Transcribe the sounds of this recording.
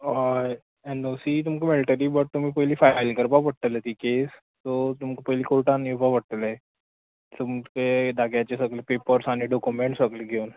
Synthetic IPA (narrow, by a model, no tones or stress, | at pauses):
ɦaj | enosit̪̬umkemeliʈəɾiːbəɽ̚t̪um̤iːpəɦliːfalkəɾbapəɽ̚t̪ələt̪iːkes | t̪ɔt̪umkepəɦjliːkoɭʈaniubʱapəɽ̚t̪əle | t̪umked̪aɡjat͡ɕesəɡlepepəɾsaɽ̃iɖokumeɳʈsəɡleɡʱeun